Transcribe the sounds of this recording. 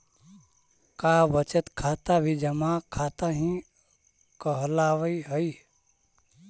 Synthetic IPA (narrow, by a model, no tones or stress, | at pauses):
kaːbət͡ʃət̪kʰaːt̪abʱid͡ʒəmakʰaːt̪aɦĩ | kəɦlaːʋəiɦəi